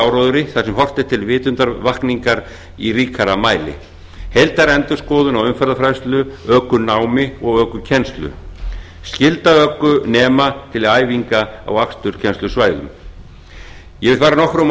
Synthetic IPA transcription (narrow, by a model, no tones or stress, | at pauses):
awɾɔðʏɾɪθasɛmhɔr̥t̪ɪ̥t̪ʰɪlvɪːt̪ʏnt̪aɾvahkniŋkaɾ | iɾiːkʰaɾamaːjlɪ̰ | hejlt̪aɾɛnt̪ʏ̥skɔːðʏnawʏmfɛɾðafɾajst̪lʏœːkʏnaːwmɪɔɣœːkʏcʰɛnst̪lʏ̰ | scɪlt̪aœːkːʏnɛːmat̪ʰɪlaːjviŋkaa̰wakst̪ʏɾ̥cʰɛnst̪lʏsvaːjðʏ̰m | jɛvɪɾfajɾanɔhkɾɔm